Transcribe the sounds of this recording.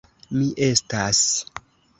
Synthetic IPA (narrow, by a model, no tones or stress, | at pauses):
miʔe̞stas